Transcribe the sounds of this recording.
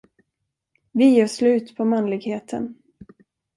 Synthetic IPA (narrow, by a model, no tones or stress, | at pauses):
vɪjeːʂlʉ̟ːt̪pʰɔmanlɪɡheːt̪ʰə̰n